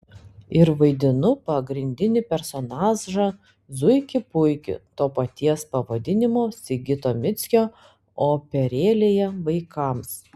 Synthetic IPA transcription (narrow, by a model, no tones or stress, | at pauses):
ɪɾʋɐɪd̪ʲɪnʊpɐɡɾʲɪnʲd̪ʲɪnʲɪpʲɛɾsonɑːzʒɐ | zʊɪkʲɪpʊɪkʲɪ̰t̪oːpɐt̪ʲiɛspɐʋɐd̪ʲɪnʲɪmoːsʲɪɡʲɪt̪oːmʲɪt̪sʲkʲoː | oːpʲɛɾʲeːlʲejɛʋɐɪkɐms